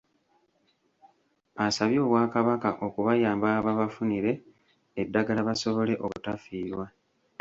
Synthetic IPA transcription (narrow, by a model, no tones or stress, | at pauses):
asaβjo̞ːβwaːkaβakaʔo̞kuβajaːmbaːβaβafuniɾe̞ː | dːaɡalaβaso̞βo̞le̞ʔo̞βutafiːɾwa